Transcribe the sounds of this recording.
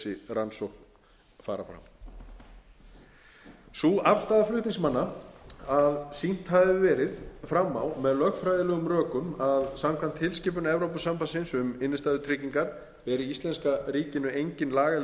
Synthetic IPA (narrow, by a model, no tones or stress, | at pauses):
ɪranso | faːɾa̰fɾa̰m | suafst̪aːðaflʏht̪ĩŋsmanːaaðsin̥t̪havɪvɛːɾɪðfɾamːawmɛðlœxfɾajðɪlɛɣʏmrœːkʏmaðsamkʰvan̥t̪ʰhɪlscɪːp̬ʏnɛvɾowpʏsampasɪnsʏmɪnːɪst̪aːðʏt̪ʰɾɪciŋkaɾ̥ | vɛɾɪist̪lɛnskaɾiːcɪnʏejɲcɪnlaːɣal